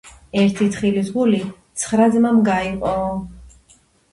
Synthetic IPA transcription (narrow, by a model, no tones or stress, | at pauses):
ɛɾt̪ʰit̪ʰχilizɡulit̪sʰχɾad̪zmamɡaiqʼɔ